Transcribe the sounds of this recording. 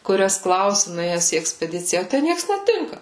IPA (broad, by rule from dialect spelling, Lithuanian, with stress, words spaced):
kʊˈrʲɛs ˈklˠɐʊsʲɪ nʊˈeːjɛs iː ɛksʲpʲɛˈdʲɪt͡sʲɪjɛ oː ˈtʲæ ˈnʲiɛks nʲɛˈtʲɪŋkɐ